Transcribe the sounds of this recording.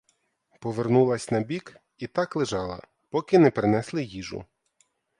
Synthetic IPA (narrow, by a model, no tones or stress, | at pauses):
pɔʋernulˠɐsʲnɐbʲik | it̪ɑklˠɪʒɑlˠɐ̰ | pɔkɪnɛpɾɪnɛslˠɪjiʒʊ̰